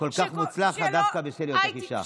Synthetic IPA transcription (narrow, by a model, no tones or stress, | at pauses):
kolkaχmut͡slaχad̪afkabeʃeljot̪aχiʃa̰